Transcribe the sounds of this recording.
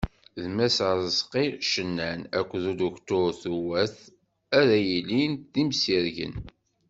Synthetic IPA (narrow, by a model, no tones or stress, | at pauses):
ðmæsɾəzqiʃənːænækʷːðuluçt̪ʊɾθuwæθ | æɾæjilinðimsiɾʝə̰n